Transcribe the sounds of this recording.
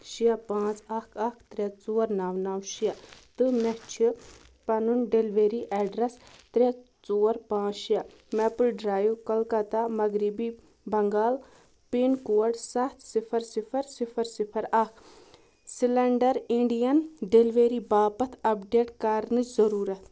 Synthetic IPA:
ʃiapãːt͡sɐkʰɐkʰt̪ɾʲet͡soːɾnaːʋnaːwʃijat̪ɨmɛt͡ʃʰi | pɐnunɖelʋeːɾiʔɛːɖɾɐst̪ɾʲe | t͡soːɾpãːt͡ʃʃija | mɛpəlɖɾaːjukɐlkɐt̪amɐɡɾibi | bɐŋɡaːl | pinkoːɐʈsɐt̪ʰsipʰɐɾsipʰɐɾsipʰɐɾsipʰɐɾɐkʰ | silɐɳɖɐɾiɳɖijɐnɖelʋeːɾiːbaːpɐt̪ʰɐpɖeːʈkaɾnɨt͡ʃzɐɾuːɾɐt̪ʰ

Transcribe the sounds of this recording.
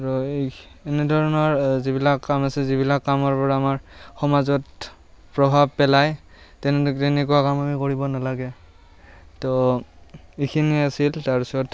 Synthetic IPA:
ɹɔ | enɛdʱɔɹɔnɔɹzibilakːamasɛzibilakːamɔɹpɔɹaːmaɹxɔmazɔt | pɹɔbʱab̚pɛlaj | tɛnɛtɛnɛkuwakamamikoɹibɔnalaɡɛ | tɔ | ikʰiniasiltaɹusɔɹɔt

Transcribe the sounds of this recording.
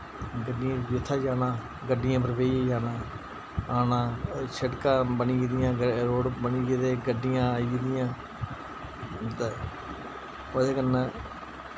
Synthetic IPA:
ɡəɖɪjãːd͡ʒɪt̪ʰːaːd͡ʒaːnãː | ɡəɖɪjãːpəɾʋeːd͡ʒaːnãː | aːnãːsəʈkãːbəniːɡd̪ɪjãːɾoːɽbəniːɡed̪eːɡəɖːɪjãːid̪ɪjãː | t̪ː | oːd̪eːkənːãː

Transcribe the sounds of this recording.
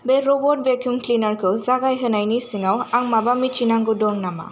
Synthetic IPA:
beɾobɔʈ̚bekjumklinaɾkʰozaɡajɦɯnajnisiŋawaŋmabamit͡ʃinaŋɡudoŋnama̰

